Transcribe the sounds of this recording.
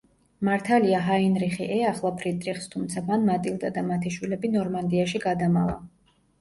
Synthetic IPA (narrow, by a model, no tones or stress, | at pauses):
maɾt̪ʰaliaɦainɾiχiʔɛaχlˠapʰɾit̪ʼɾiχst̪ʰumt̪sʰapʰanmat̪ʼilˠd̪ad̪amat̪ʰiʃwilɛbinɔɾmand̪iaʃiɡad̪amavˠa̰